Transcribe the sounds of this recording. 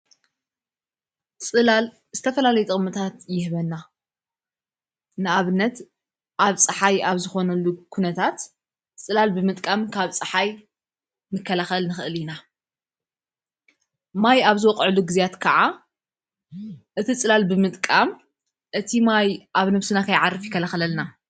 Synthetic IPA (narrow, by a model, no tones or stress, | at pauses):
t͡sʼɨlal | z̥ɨt̪ʰɐfɐlalɐjut̪ʼɨχʼmɨt̪ʰat̪jɪhβɐnːa | nɨaβɨnːɐt̪ | ʔaβt͡sʼɨħajaβzɨxo̞nɐlːukʰunɐt̪ʰat̪ | t͡sʼɨlalbɨmɨt̪ʼkʼamkʰaβt͡sʼɨħaj | mɨkʰːɐlaxɐlnɨxɨʔɨlina | majaβzɨwɔqʼʕɨluɡɨzijat̪kʰɐʕa | ʔɨt̪ʰit͡sʼɨlalbɨmɨt̪ʼkʼam | ʔɨt̪ʰimajʔaβnɐβsɨnakʰɐjʕarɨfjɪkʰːɐlaxɐlɐlna